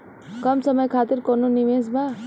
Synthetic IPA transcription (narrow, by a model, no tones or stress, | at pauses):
kʌmsʌmʌjkʰat̪iɾkonunimesba